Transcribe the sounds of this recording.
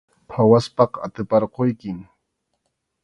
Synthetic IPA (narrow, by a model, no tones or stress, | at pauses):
pʰawaspɑqa̰t̪ɪpɑɾqojkɪm